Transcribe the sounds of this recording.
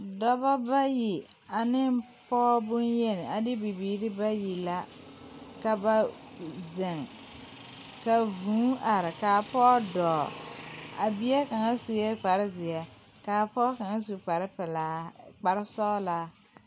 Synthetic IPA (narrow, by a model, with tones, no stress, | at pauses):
dɔ˦ba˦ba˦ji˨a˨nɪ˦n | pɔː˦bʊ˦njɛ˦nɪ˨a˨dɪ˦bi˨biː˨˦ɾɪ˦ba˦ji˨la˦ | ka˨ba˦ | zɪ˨ŋ | ka˨vũː˨˦ʔa˨ɾɪ˨kaː˨pɔː˦dɔː˨a˨bi˦ɛ˦ka˨ŋa˦su˨jɛ˦k͡pa˨ɾɪ˦zɪ˨ɛ˨ | kaː˨pɔː˦ka˨ŋa˦s̬u˨k͡pa˨ɾɪ˦pɪ˨laː˦k͡pa˨ɾɪ˦sɔː˦laː˦